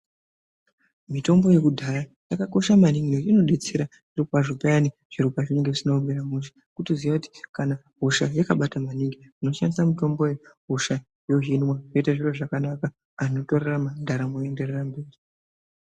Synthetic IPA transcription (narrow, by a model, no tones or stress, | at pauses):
mito̞mbo̞je̞kudʱaɾajakako̞ʃamaniŋɡinoino̞ɗet͡seɾaʐ̥iropaʐopajani | ʐ̥irupaʐine̞ŋɡeʐisinomeɾamuʃi̥ | kutizijakuti̥kana | ɦoʃajakaɓatamaniŋɡiino̞ʃandisamito̞mbo̞jeɦoʃa | joɦinwaʐoitaʐiroʐakanakaː | no̞toreramandʱaɾamoe̞nde̞rerambe̞ːri